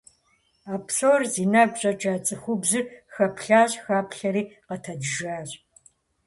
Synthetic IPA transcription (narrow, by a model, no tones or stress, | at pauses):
aːpʰsoːrziːnaːɡʷɕʼɐt͡ʃʼaːt͡sʼɨxʷʊbzɨxɐpʰɬaːɕʼxaːpɬɐɾiːqətʰɐdʒaːɕʼ